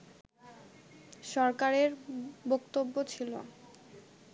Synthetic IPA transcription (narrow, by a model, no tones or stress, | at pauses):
ʃɔɾkaɾeɾbokt̪obːot͡ɕʰilo